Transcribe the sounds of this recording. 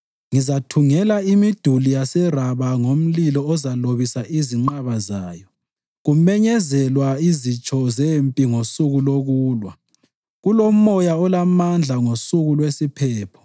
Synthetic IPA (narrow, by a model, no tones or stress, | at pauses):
ŋizatʰuŋɛlaimid̥ʱulijasɛraβaŋom̩lilɔɔzaloβisaʔiziŋ͡ǃaβazaːjɔ | ɣumɛɲɛzɛlwaizit͡ʃʼɔzempʼiŋosuɣuloɣuːlwa̰ | ɣulomɔjaɔlamand͡ɮʱaŋosuɣulwesipʰɛːpʰɔ̥